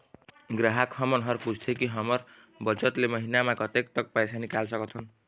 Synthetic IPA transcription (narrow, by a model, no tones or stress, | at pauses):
ɡɾaɦakʰhʌmʌnɦʌrpud͡zʱt̪ʰjekiɦʌmʌr | bʌt͡sʌt̪lemʌɦinamakʌt̪ekt̪ʌk̚pajsʰanikalsʌkʌt̪ʰʌn